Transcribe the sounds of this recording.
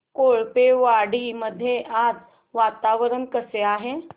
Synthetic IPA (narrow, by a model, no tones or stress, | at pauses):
koɭpeʋaɽiməd̪ʱːjeʔad͡z | ʋat̪aʋəɾənkəseaɦe